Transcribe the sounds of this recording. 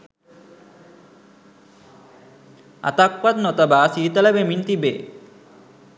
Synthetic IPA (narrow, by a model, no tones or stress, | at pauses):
a̰t̪akwat̪nɔt̪abaːsiːt̪alabemint̪ibe